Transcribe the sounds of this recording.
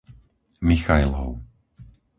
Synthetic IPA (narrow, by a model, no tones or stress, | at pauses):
mixajlɦɔ̰ʊ